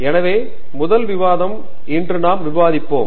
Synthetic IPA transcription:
ɛnɐʋeː | mʊðɐlʋɪʋaːðɐm | ɪndrɯnaːmʋɪʋaːðɪpːoːm

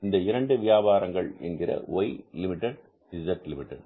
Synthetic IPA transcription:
nd̪ɐɪɾɐɳɖɯʋɪjaːbaːɾɐŋɡɐɭɛ̰nɡɪɾɐ̰ʔɔjlɪmɪʈːɛɽ | ɖɪzɐʈlɪmɪʈːɛɽ

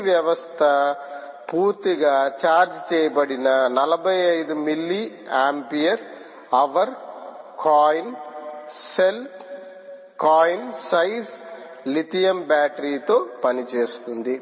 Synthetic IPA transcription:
ʋjɐʋɐst̪ʰɐ | puːɾt̪iɡaːt͡ʃaːɾd͡ʒt͡ʃɛːjɐbɐɽinɐnɐlɐbʱɐjɐjd̪umilːiaːmpijɐɾ | ɐʋɐɾ | kʰaːjn | selp | kaːjnsɐjs | lit̪ijɐmbaːʈɐɾiːt̪o̞ːpɐnit͡ʃeːst̪und̪i

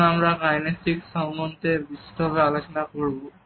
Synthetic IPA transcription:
amɹakajnestiksawndɔntɛbisitɔbʱaβealosɔnakoɹibɔ

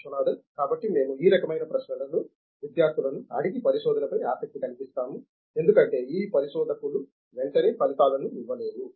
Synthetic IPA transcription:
t͡ʃunaːd̪ɐkaːbɐʈːime̞ːmuiːɾɐkɐmɐjnɐpɾɐʃnɐlɐluː | ʋid̪jaːɾt̪ʰilɐnuɐ̰ɽiɡipɐɾiʃɔːd̪ʱɐnɐpɐjaːsɐk̚t̪ikɐnipist̪aːmu | end̪ukɐɳʈe̞ːiːpɐɾiʃɔːd̪ʱɐkulu | ʋe̞ɳʈɐneːpɐlit̪aːlɐnuiʋːɐle̞ːd̪u

